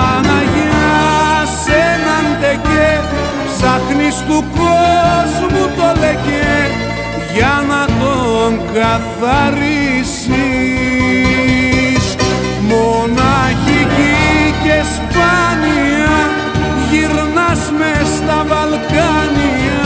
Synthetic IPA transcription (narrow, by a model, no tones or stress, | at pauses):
ɐnɐʝiɐsenɐnd̪ece | sɐt̪nist̪ukozmut̪o̞lece | ʝɐnɐt̪o̞ŋkɐθɐɾisi | s | monɐçicicespɐniɐ | ʝiɾnɐsmest̪ɐvɐlkɐniɐ